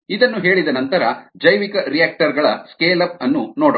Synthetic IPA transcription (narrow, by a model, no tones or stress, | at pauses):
id̪ɐnːuɦe̞ːɭid̪ɐnɐnt̪ɐɾɐd͡ʒɐjʋikɐɾijaːk̚ʈɐɾɡɐɭɐskeːlɐp̚ɐnːunoːɽɐ